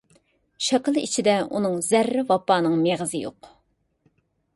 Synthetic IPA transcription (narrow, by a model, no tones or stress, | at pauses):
ʃɑqəlˠḭt͡ʃʰid̪ɛunɨŋzæɾːɪvɑpːɑːnɨŋmeʁəzɨjo̰q